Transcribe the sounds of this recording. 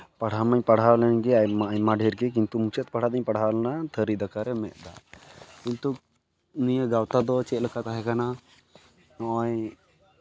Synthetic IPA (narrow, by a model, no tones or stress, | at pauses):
pɐɽ̤amaɲpɐɽ̤alɛnɡɛamajmaɖʱeɾkɛk̬int̪umut͡ʃɛt̪̚pɐɽ̤ad̪aɲpɐɽ̤alnat̪ʰəɾid̪akaɾɛmɛʔd̪a̰kint̪uk | nijaɡawt̪ad̪ɔt͡ʃɛləkat̪aɦɛkana | ɔɔj